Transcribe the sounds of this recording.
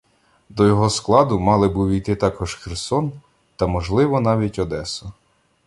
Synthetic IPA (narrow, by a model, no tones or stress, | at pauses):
d̪ɔjɔɦɔsklˠɑd̪ʊmɑlˠɪbuʋʲijt̪ɪt̪ɑkɔʒxersɔn | t̪ɐmɔʒlˠɪʋɔnɑʋʲitʲɔd̪ɛsɔ